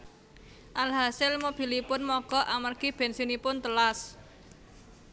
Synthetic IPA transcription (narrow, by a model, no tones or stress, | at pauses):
ʔalɦasɪlmob̥i̤lipʊnmɔɡ̥ɔ̤ʔamərɡ̥ib̥ɛ̤nsinipʊnt̪əlas